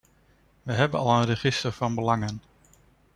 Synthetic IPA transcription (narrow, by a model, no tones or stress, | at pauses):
ʋəɦɛbənɑlˠənrəχɪstəɹv̥ɑnbəlɑŋən